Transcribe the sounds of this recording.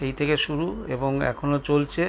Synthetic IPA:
ejt̪ʰekeʃuɾuḛboŋɛ̰kʰonot͡ɕolt͡ɕʰe

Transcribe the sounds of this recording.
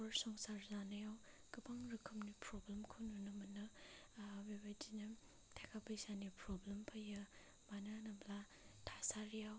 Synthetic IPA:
ɔɾsɔŋsaɾzanajaw | kɯbaŋɾɯkʰɯmnipɾɔblemkʰɯwnunɐmɐnːɯ | bebajdinɐ | tʰakʰapɯjsanipɾɔblempʰajɐ | mananɐbla | tʰasaɾijaw

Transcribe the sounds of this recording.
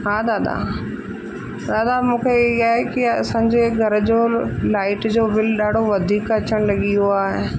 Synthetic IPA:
ɦaːd̪aːd̪a̰ | d̪aːd̪amũːkʰeɪɦaːɦekiɐsãːɲd͡ʑeɡʱɐɾ̆d͡ʑoːlaːɪʈd͡ʑoːbɪlɗaːɖʱoʋɐd̪ʱiːkɐt͡ɕəɽ̃lɐɠijoaːɦe

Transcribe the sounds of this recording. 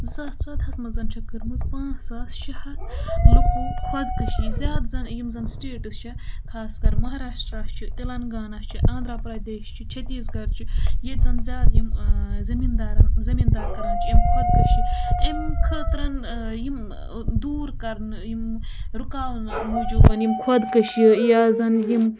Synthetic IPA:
zɐt͡sɐd̪ɦɐsmɐzɐnt͡ʃʰɐkɨɾmɨt͡spãːsaːsʃihɐt̪lukukʰwɐd̪kɐʃizʲjaːd̪zɐnjimzɐnsʈeːʈɨst͡ʃʰɐkʰaːskɐɾmɐɦaːɾaːʃʈɾaːst͡ʃʰit̪ilɐnɡaːnɐst͡ʃʰiʔãːnd̪ɾapɾɐd̪eːʃt͡ʃʰit͡ʃʰɐt̪iːsɡɐɾt͡ʃʰijezɐnzʲjaːt̪jimzɐmiːnd̪aːɾɐnzɐmiːnd̪aːɾkɐɾɐnt͡ʃʰiimkʰɐd̪kɐʃiimkʰəːt̪ɾɐn | jim | d̪uːɾkɐɾnjim | ɾukaːmuːd͡ʒuːbɐnjimkʰwɐd̪kɐʃjəjaːzɐnjim

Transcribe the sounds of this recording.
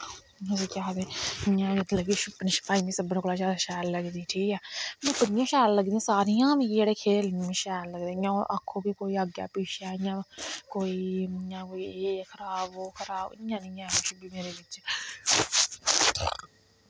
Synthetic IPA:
əseːkaːd̪eːjãːt̪ləɡiːʃʊpnʃə̥paːinĩːsəbnẽːklaːt͡ʃaːɾʃɛːlləɡd̪iːʈʰiːkɛːmɛ̃ːpənɪjãːʃɛːlləɡd̪iːãːsaːɾijãːmĩd͡ʒeːɽeːkʰeːlnĩːʃɛːlləɡd̪eːjãːʔa̰kʰːoːbiːkoːiːaɡja̰ːpiːʃaːɪjãːkoːiːjãːkoːiːeːkʰəɾaːboːkʰəɾaːbɪ̰jãːnɪːãːʃbiːmeːɾeːʋɪt͡ʃ

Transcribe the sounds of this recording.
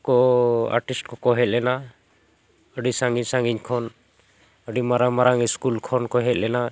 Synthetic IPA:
kɔa̰ɾʈisʈkɔkɔɦɛt̪̚ʼlɛna | əɖisaŋɡiɲsãŋɡiɲkʰɔn | əɖimaɾaŋmaɾaŋiskulkʰɔnkɔɦɛt̪̚lɛna

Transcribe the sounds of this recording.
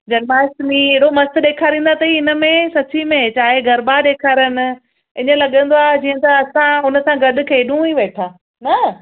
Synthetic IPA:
d͡ʑɐnmaːɪst̪mĩɦeːɽomɐst̪ɗeːkʰaːɾĩːnd̪at̪ɐɦiɪnə̆mẽsɐt͡ɕimẽt͡ɕaːɦeɡʱɐɾbaɗeːkʰaːɾənɪ̆ | ɪɲəlɐɠə̃nd̪oaːd͡ʑiːə̃t̪ɐɐsãɦʊnə̆sãɡɐɗʊ̆kʰeːɗũiʋeːʈʰãː | nɐ

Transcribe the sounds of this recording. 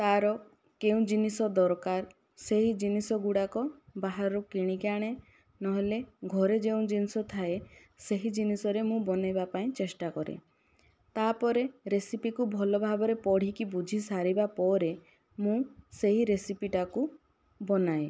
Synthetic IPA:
t̪aɾɔ | keũd͡ʒinisɔd̪ɔɾkaɾ | seɦid͡ʒinisɔɡuɽakɔbaɦaɾɾɔkiɽ̃ikaɽ̃e | nɔɦeleɡʱɔɾed͡ʒeũd͡ʒinisɔt̪ʰae | seɦid͡ʒinisɔɾemũbɔnajbapaĩt͡ʃesʈakɔɾḛ | t̪apɔɾeɾesipikubʱɔlɔbʱabɔɾepɔɽ̤ikibud͡ʒʱisaɾibapɔɾe | mũseɦiɾesipiʈaku | bɔnae

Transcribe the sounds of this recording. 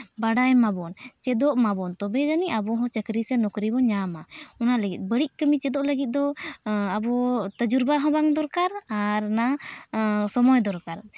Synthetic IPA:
baɽajmabɔnt͡ʃɛd̪ɔʔmabɔnt̪ɔbɛd͡ʒaniʔabɔɦɔ̃t͡ʃəkɾisɛnɔkɾibɔɲamaɔnaləɡit̪̚ˀbəɽiʔ̚ˀkəmit͡ʃɛd̪ɔʔləɡit̪̚ˀd̪ɔabɔt̪əd͡ʒuɾbaɦɔ̃baŋd̪ɔɾkaɾaɾna | sɔmɔjd̪ɔɾkaɾ

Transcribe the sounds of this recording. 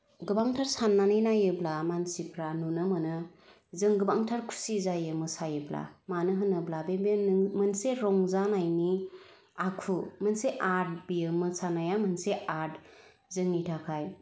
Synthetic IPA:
ɡɯbaŋtʰaɾsanːanɯjnajɯblamansipʰɾanunɯmɯnɯ | zɯŋɡɯbaŋtʰaɾkʰu̥sizajɯmɯsajɯbla̰manɯɦɯnɯblabebenmɯnseɾɔŋzanajni | akʰumɯnseʔaɾd̚bijɯmɯsanajamɯnseʔaɾd | zɯŋnitʰakʰaj

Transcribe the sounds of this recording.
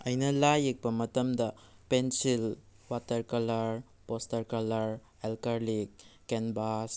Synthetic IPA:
ɐjnɐlajik̚pɐmɐtɐmdɐpensil | watɐɾkɐlɐɾ | postɐɾkɐlɐɾ | elkɐɾlikː | enbas

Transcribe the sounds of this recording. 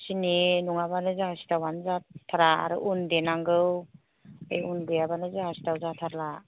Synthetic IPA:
sininuŋaβanɯzaɦasi̥tawanzatʰaɾaa̰ɾɯ̰ʔundenaŋɡɯw | ḛjunbɯjabanɯzahasi̥tawzatʰaɾla

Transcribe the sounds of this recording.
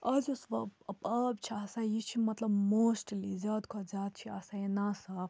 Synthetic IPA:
ɐzusʋɐbpɐb̚t͡ʃʰiɐsajit͡ʃʰimɐt̪lɐbmoːsʈlizɐd̪kʰozaːd̪̚t͡ʃʰiasajenasɐ

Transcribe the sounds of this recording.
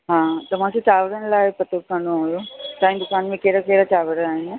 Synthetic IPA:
ɦãːt̪ɐʋ̤ãket͡ʃaːʋəɽənlaːpɐt̪okɐɳoojot̪aːĩd̪ʊkaːnmẽkeːɾakeːɾat͡ʃaːʋəɽəaːɦɪn

